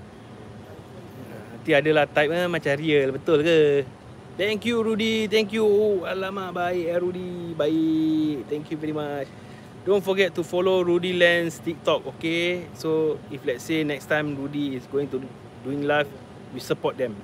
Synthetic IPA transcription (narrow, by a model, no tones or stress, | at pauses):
ant̪iadəlaht̪ajp̚amat͡ʃãɾiəlbət̪ʊlkə | t̪ɛ̃ŋkjuɹudit̪̬ɛ̃ŋkjualamaʔbaiʔaɾudibait̪ɛ̃ŋkjuvɛɾimat͡ʃ | dõnfɔɡɛt̚ːufɔloɹudilɛ̃nst̪ik̚t̪ɔkokesoiflɛt̚senɛkst̪ãjmɹudiːsɡoĩŋt̪u | duĩŋlaf | jusəpɔt̚dɛ̃m